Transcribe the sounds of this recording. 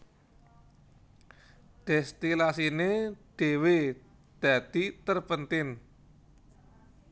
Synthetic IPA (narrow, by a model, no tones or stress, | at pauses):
d̪̥ɛst̪ilasined̪̥e̤we | d̪̥a̤d̪̥i̤t̪ərpənt̪ɪn